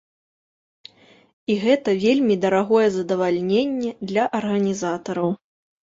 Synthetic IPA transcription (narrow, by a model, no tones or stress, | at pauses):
iɣɛt̪ɐvʲelʲmʲid̪ɐɾaɣɔjɛzɐd̪ɐvalʲnʲenʲːɛd̪lʲɐʔɐrɣɐnʲizat̪ɐɾɐw